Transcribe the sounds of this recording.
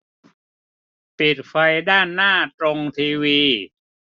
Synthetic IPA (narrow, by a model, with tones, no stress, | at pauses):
pi˨˩t̪̚fa˧jdaː˥˩nːaː˥˩t̪ɾo˧ŋt̪ʰiː˧wiː˧